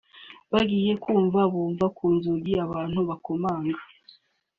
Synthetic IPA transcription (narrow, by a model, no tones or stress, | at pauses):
βaɡiːje̞kuːɱvaβuːɱvakʰuːnzuɡiaβaːn̥huβakomaːŋɡḁ